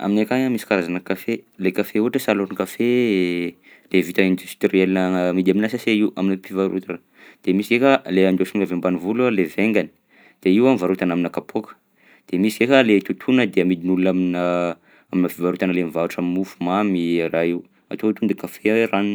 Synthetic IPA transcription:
a̰minekaɲamisi̥kaɾazanəkafelekafeuɦaʈ͡ʂəsaloɾnkafe | levit̪aind̪ust̪rielinəmid̪aminasaseiua̰minipivaɾṵt̪a̰n | d̪̥emisikekʲaleand̪osunlavembanivulualeveŋɡani̥ | d̪̥eiwamivaɾut̪anaminakapʰokə̥ | d̪̥emisikekʲalet̪ut̪ʰunəd̪eamid̪inulunaminə | aminəfivaɾut̪anəlemivaɾuʈ͡ʂammufumamiɾaiw | a̰t̪ot̪und̪ikafeaweɾanu

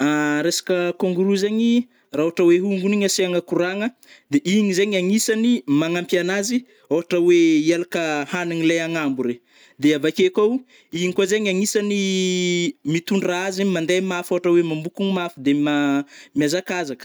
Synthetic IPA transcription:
aɾesḁkəkoŋɡuɾuzeɲi | raoaʈ͡ʂəweɦuŋɡuniɲaseaŋəkuɾaŋə | d̪eʔiɲizeɲaŋisanimaŋampjanazi | oɦaʈ͡ʂəwealakəhaniŋilejaŋambuɾe | d̪eavakekow | iɲikozeɲaŋisani | mit̪uɳɖ͡ʐaazimand̪emafoaʈ͡ʂəwemambukuŋimafid̪emamjazakazak

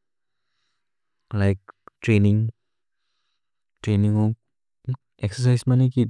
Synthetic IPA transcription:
laɪk̚ʈɾenĩŋ | ʈɾenĩŋo | ɛksəsajsmaniki

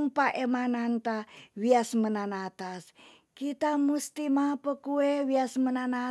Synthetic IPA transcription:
ŋpaʔemanant̪awiasmənanat̪as | kit̪amust̪imapəkuewiasmənana

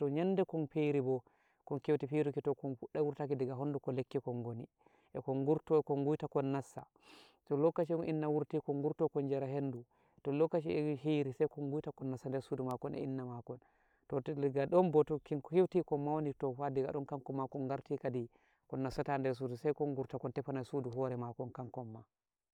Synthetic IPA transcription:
tɔɲanːdɛkɔnfejɾibɔ | kɔnkewtifiɾukitɔkɔnfuɗɛwuɾtakidiɡaɦonːdukɔlekːikɔnɡoni | ʔɛkɔŋɡuɾtɔkɔŋɡujtakɔnːasːa̰ | tɔlɔkːat͡ʃiɔnʔinːawuɾtikɔŋɡuɾtɔkɔnd͡ʒɛɾaɦenːdu | tɔlɔkːat͡ʃiɛhijɾisajkɔŋɡujtakɔnːasːandɛɾsudumakɔnɛ̰ḭnːamakɔn | tɔɡaɗɔnbɔtɔkinkɔhiwtikɔmːawonitɔfadiɡa̰ɗɔnkaŋkɔmːakɔnɡaɾtikadi | kɔnːasatandɛɾs̬udusajkɔŋɡuɾtakɔntɛfanasuduɦɔɾɛmakɔnkaŋkɔmːa

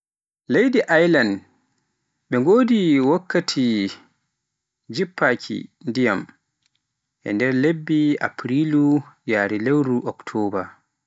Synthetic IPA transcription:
lejdiʔajlan | ɓɛŋɡoːdiwakːatʰi | d͡ʒipːakʰḭndija̰m | ʔɛ̰ndɛɾlebːia̰pɾilujaːɾilewɾuʔɔktʰɔːba̰

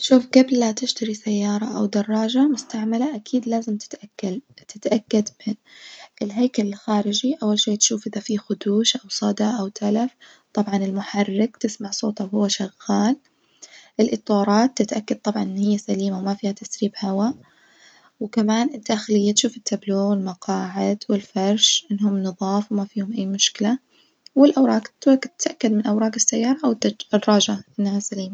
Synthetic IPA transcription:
tʃuːfɡablat̪ɪʃt̪aɾisajːɑːɾˤɑʔa̰wd̪ɑrˤːɑːd͡ʒamʊst̪aʕmalaʔakʰiːd̪laːzɪmt̪ɪ̥t̪ʔakːalt̪ɪt̪ʔakːad̪mɪnʔɪlɦajkalɪlxaːɾɪd͡ʒiʔawːalʃeːt̪ʃuːfʔɪðafixʊd̪uːʃʔawsˤɑd̪aʔawt̪ʰalaf | t̪ˤɑbʕɑnɪlmʊħɑrːɪk̚t̪ɪsmaʕsˤo̰ːt̪ˤawhʊːaʃaɣːɑːl | ʔɪlʔɪt̪ˤːɑːɾˤɑːt̪ːɪt̪ʔakːad̪̚t̪ˤɑbʕɑnʔɪnːhɪjːasaliːmawmafiːhat̪asɾiːbhawa | wkamaːnɪd̪aːxɪlɪjːat̪ʃuːfɪt̪ːabloːɣwɪlmɑqɑːʕɪd̪wɪlfɑɾˤʃʔɪnːhʊmnɨðˤɑːfwmafiːhʊmʔajːmʊʃkɪla | wɪlʔawɾˤɑːɡt̪kt̪ːʔakːad̪mɪnʔawɾˤɑːɡɪsːajːɑːɾˤɑʔw̪rˤːɑːd͡ʒaʔɪnːahasaliːma

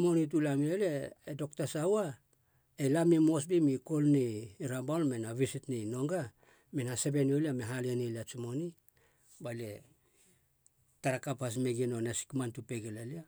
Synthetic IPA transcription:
mo̞nit̬ulamieleːdo̞k̚tasawa | elamimo̞s̬bimiko̞lniːɾabalmenaβisitnino̞ŋɡa | menhase̞be̞nioliameɦalieneliat͡ʃimo̞ni | bale | taɾakapas̬meɡinonesi̥kmantupeɡelalia

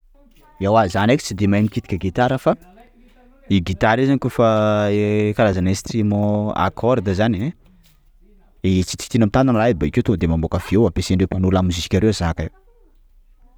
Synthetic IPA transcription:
iawazanekʲi̥t͡sid̪emajmikit̪i̥kʲəɡit̪aɾəfa | iɡit̪aɾizanikufa | kaɾazanesi̥t̪imoa̰kʰɔɾd̪əzane | et͡si̥t̪i̥t̪inamit̪ananlaibaikewt̪od̪emambokəv̥ewampeseɳɖ͡ʐewpanulamizisi̥kʲaɾewazakaew

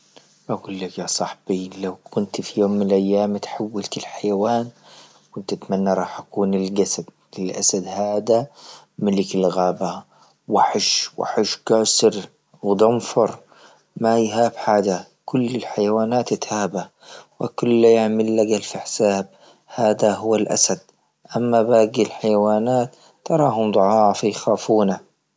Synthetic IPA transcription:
ʔaɡuːlːakjasˤɑħb̥ilawkʊnt̪fijoːmːɪnɪlʔajːaːmt̪ħawːalt̪ɪlħajawaːn | kʊnt̪ʔat̪manːaɾˤɑːħʔakuːnɪlɡasad̪ | ɪlʔasad̪haːd̪a | mɪlɪkɪlɣaːba | waħɪʃwa̰ħɪʃɡaːsɪɾ | wd̪ˤɑmfɑɾˤ | majɦaːbħaːd͡ʒa | kʊlːɪlħajawaːnaːt̪ɪt̪haːba | wakʊlːajaʕmɪlːaɡalfiħsaːb̚ | haːd̪aɦʊwːalʔa̰sad̪̥̚ | ʔamːabaːɡilħajwaːnaːt̪ː | ɑɾˤɑːɦʊmd̪ˤʊʕɑːfajxaːfuːna

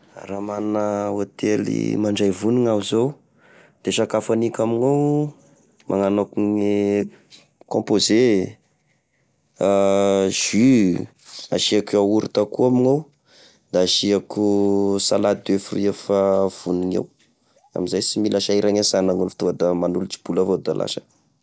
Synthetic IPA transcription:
ramannəot̪elḭmaɳɖ͡ʐajvuniŋazow | d̪̥eʃakafanikʲamiŋow | mʔa̰ŋanokuŋi | kõmpoze | ʒ̥y | aʃiakauɾit̪akuamiŋow | d̪aːʃiakusalad̪efuruefav̥uniɲḛw | a̰mizajsimilaʃaiɾaŋasanaŋunfi̥t̪uad̪amanulut͡si̥b̥ulavod̪alʔa̰ʃə̥

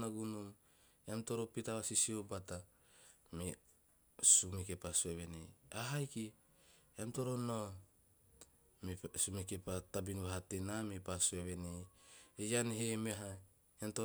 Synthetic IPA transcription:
naɡunum | eamto̞ɾopitaβasisiobata | me | sumekepasueβe̞nejaɦajki | amto̞ɾono | mesumekepatabinβaɦatenamepasueβe̞nejejanɦemeaɦaj | amto

